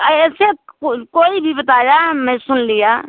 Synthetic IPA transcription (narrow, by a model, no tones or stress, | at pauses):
əɛsekoːibʱibət̪ajamɛ̃sʊnlija